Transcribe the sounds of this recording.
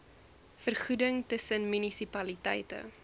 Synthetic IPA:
fərχudəŋtəsənmynisipɐlitɛ̰jtə̰

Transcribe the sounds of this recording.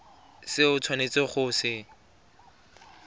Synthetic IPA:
sɪʊt͡sʰwanet͡sɪχʊsɪ

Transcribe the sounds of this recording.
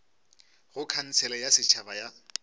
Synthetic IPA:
ɣʊkʰan̩t͡sʰɛlɛjasɪt͡ʃʰabaja

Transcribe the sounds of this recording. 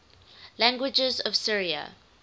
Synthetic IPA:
læ̃ŋɡwɪd͡ʒəzɔv̥sɪɹiə̰

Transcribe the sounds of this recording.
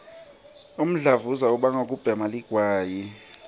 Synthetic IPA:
um̩ɮavuzauɓaŋok̬ʼub̥ʱɛmaliɡ̥ʱwaːji

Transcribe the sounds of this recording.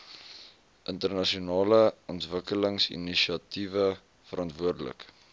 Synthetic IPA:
ʔəntərnɐʃiunɑːləɔntvəkələŋsḭniʃiɐtivə | fəɾɑntvuərdələ̰k

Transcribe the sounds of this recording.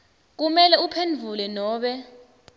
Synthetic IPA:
k̬umɛlɛupʰenvʱulɛnɔːɓɛ

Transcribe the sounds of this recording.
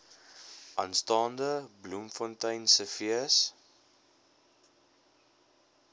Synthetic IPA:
ʔɐ̰nstɑːndəblumfɔntəjnsəfiəs

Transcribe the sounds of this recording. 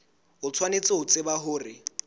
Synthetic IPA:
ɦʊt͡sʰwanet͡sʼɪʊt͡sʼɪbaɦʊːrɪ

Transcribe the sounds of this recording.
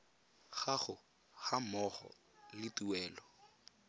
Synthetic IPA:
ɣaɣʊ | hamɔχɔ̰ | lɪtuwɛːlɔ

